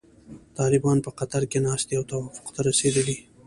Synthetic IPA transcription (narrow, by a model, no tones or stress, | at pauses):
t̪ɑlɪbɑnpəqat̪aɾkenɑst̪iawt̪awɑfʊ̥qt̪aɾased̪əli